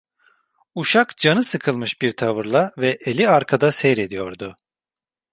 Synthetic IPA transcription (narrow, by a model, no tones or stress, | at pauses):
uʃakd͡ʒanɯsɯkʰɯlˠmɯʃbiɾt̪ʰavɯɾlˠavɛʔelʲiaɾkʰad̪asɛjɾed̪ijo̞ɾd̪ʊ